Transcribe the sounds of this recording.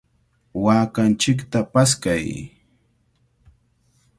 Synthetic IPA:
waːkant͡ʃɪkt̪apaskaj

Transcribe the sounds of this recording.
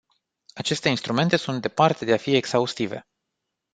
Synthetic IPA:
at͡ʃe̞st̪e̞inst̪ɾume̞nt̪e̞sunt̪d̪e̞part̪e̞d̪e̞afieksaust̪ive̞̰

